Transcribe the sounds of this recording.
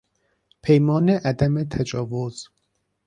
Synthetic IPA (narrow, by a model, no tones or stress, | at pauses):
pʰejmɒːneʔæd̪æmet̪ʰæd͡ʒɒːvoz̥